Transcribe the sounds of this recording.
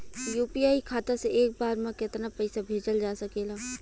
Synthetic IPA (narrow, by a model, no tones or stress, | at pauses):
juːpiaːikʰaːt̪aseeːk̚baːɾmãkɪt̪napəɪsabʱeːd͡ʒəld͡ʒaːsɐkeːlaː